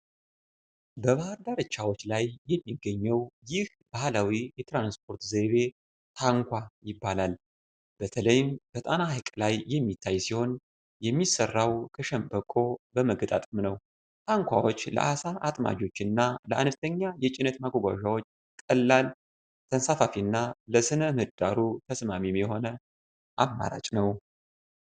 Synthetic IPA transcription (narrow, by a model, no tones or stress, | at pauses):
bəβahaɾd̪aɾɨt͡ʃːawo̞t͡ʃːlajːɛmːiɡːəɲːəwjɪh | b̥ahlawijɛt̪ʰɾansp̚ʰo̞ɾt̪zeβe̞ | t̪ʰaŋkʷajɪbːalal | b̥ət̪ʰələjɪmb̥ət̪ʼanahkʼlajːɛmːit̪ʰːajsiho̞n | jɛmːisərːawkʰəʃɛmbəkʼo̞bəməɡət̪ʼa̰t̪ʼɨmnəw | t̪ʰaŋkʷʰa̰wo̞t͡ʃːlə̰ʔasaʔat̪ʼma̰d͡ʒo̞t͡ʃːɪnːaləʔanft̪ʰəɲːajɛt͡ʃʼɪnət̪maɡʷoɡʷa̰ʒawo̞t͡ʃː | kʼəlːal | t̪ʰənsafafiɨnːaləsɨnəmɨd̪aɾut̪ʰəsmamimjɛho̞nə | ʔamːa̰ɾa̰t͡ʃʼnəw